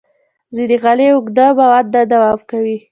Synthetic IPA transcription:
zid̪iɣaleʊɡd̪abawat̪̚d̪ad̪awɑbkawi

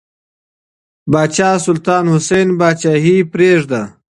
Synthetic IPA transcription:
baːt͡ʃaːsʊlt̪aːnhʊsenbaːt͡ʃaːɦipɾeːʐd̪a

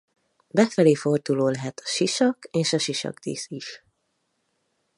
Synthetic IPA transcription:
bɛfɛleːfo̞rd̪uloːlɛɦɛt̪ʰɒ̥ʃiʃɒkeːʃɒʃiʃɒ̰ɡd̪ḭːsiʃ

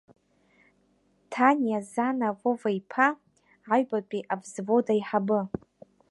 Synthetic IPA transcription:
tʰanjazanavovaipʰa | ʕaɥbapʼiʔabzvodajħabɨ

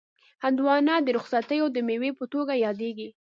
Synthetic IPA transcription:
hand̪wɑnɑd̪əɾʊxsat̪əjod̪əmewepət̪oɡajɑd̪eɡi

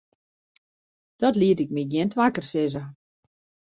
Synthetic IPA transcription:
d̥ɔtliətɪk̚miɡjiəntʋakərsɪzə

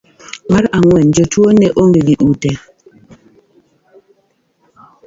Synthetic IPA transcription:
maɾaŋwɛnd͡ʒɔtwonɛʔoŋɡeɡiʔutɛ

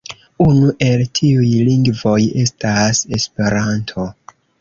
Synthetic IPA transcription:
unuʔe̞ltʰiujliŋɡvo̞je̞stase̞spe̞ɾantʰo̞

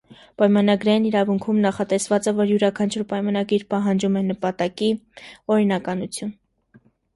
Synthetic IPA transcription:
pɑjmɑnɑɡɾɑjiniɾɑvuŋkʰumnɑχɑt̪ɛsvɑt͡sɛvɔɾjuɾɑkʰɑnt͡ʃʰuɾpɑjmɑnɑɡiɾpɑɦɑnd͡ʒumɛnəpɑt̪ɑkiɔɾinɑkɑnut͡sʰjun

